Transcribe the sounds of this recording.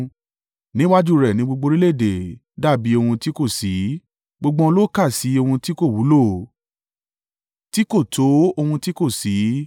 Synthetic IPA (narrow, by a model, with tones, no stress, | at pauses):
nĩ˦wa˦d͡ʒu˦˨ɾɛ˨nĩ˨˦ɡ͡bo˧ɡ͡bo˧ɾi˦le˦˨de˨ | da˦˨bi˨˦o˧hũ˧ti˦ko˦˨si˨˦ | ɡ͡bo˧ɡ͡bɔ̃˧lo˦ka˦˨si˨˦o˧hũ˧ti˦ko˦˨wu˨˦lo˦˨ | ti˦ko˦˨tʰo˨˦o˧hũ˧ti˦ko˦˨si˨˦